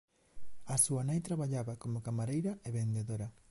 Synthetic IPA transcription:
asuɐnajt̪ɾaβaʎaβakomʊkamaɾejɾɐeβend̪eðoɾɐ

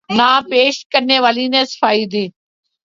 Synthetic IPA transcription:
nãːpeːʃkəɾneʋaːlinẽsə̥fʰaːiːd̪iː

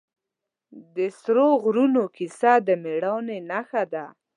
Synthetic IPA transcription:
d̪əsɾoɣɾunokisad̪əmeɽɑwnenaxad̪a

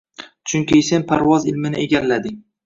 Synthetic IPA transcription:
t͡ʃʰʊŋkʲise̞npʰaɾvɒzɪlmɪnɪeɡʲallːad̪ɪŋʲ

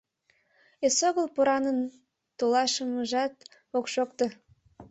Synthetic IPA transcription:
esoɣəlpuɾɑnən | t̪olɑʃəməʒɑt̪ | okʃokt̪ə

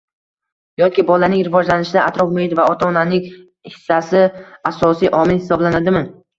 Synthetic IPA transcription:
jɒkʲɪbɒlanɪŋɾɪvɒd͡ʒlanɪʃɪd̪aʔat̪ɾɒfmoɪd̪vaɒt̪ʰaɒnanɪŋ | hɪ̥sːasɪasɒsijʔɒmɪlhɪsɒblanad̪ɪmɪn

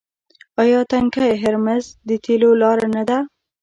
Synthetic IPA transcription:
ɑjɑt̪aŋkajɦɪɾmazd̪ət̪ʰelolɑɾanad̪a

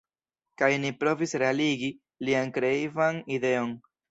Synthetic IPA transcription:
kajnipɾo̞visɾe̞aliɡi | liankɾe̞ivanide̞o̞n

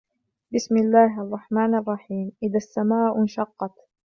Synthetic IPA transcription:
bɪsmɪlːaːɦʔɑrˤːɑħmaːnʔɑrˤːɑħiːmʔɪðasːamaːʔʊnʃɑqːɑt̪

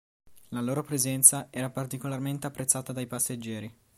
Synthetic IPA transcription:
laloːɾopɾezɛnt̪saɛːɾapart̪ikolarment̪eapːɾet̪sːaːt̪ad̪ajpased͡ʒːɛːɾi

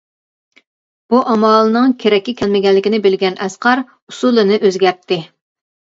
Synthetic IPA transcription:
b̥uʔɑmɑlˠɨnɨŋkʲʰeɾɛkʲːɪkʲʰɛlmɪɡʲɛlːɪkʲinɪbɪlɡʲɛnɛsqɑɾ | usulˠɨnɨʔøzɡʲɛɾp̚t̪ʰːɪ

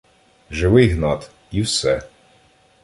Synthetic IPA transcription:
ʒɪʋɪjɦnɑt̪ | iwsɛ

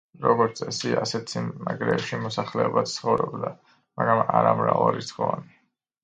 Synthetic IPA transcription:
ɾɔɡɔɾt̪sʼɛsiasɛt̪sinnaɡɾɛːpʃimɔsaχlɛɔbat̪t̪sʰχɔvɾɔbd̪a | maɡɾamaɾamɾavaɾisχɔvani

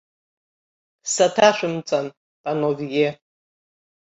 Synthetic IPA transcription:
satʰaʃʷᶣɨmt͡sʼan | pʼanovije

